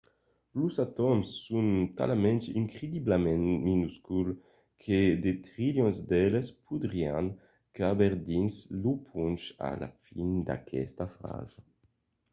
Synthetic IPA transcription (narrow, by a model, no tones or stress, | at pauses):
lusat̪ɔmsːunt̪a̰lamɛ̃nt̪iŋkɾed̪iblamɛnminuskul | kʰed̪et̪ʁiljɔnzd̪ɛlespʰud̪ɾiaŋ | kabeɾd̪inslupʰunt͡ʃa̰la̰find̪a̰kʰɛ̰st̪afɾa̰za